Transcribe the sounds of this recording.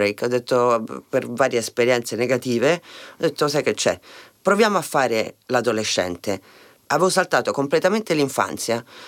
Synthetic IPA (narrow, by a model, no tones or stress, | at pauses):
ejkɔd̪ːet̪ːopervaːɾjeespeɾjɛnt̪seneɡat̪iːveɔd̪ːet̪ːos̬ajk̟et͡ʃːɛ̰pɾovjaːmoafːaːɾelad̪oleʃːɛ̰nt̪e | avevosalt̪aːt̪okomplet̪ament̪eliɱfa̰nt̪sja